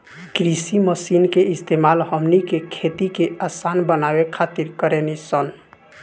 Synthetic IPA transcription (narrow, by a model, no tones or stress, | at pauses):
ɡɾisiməsinkeist̪emalɦəmnikekʰet̪ikeʔasanbənabekʰat̪iɾkəɾenisən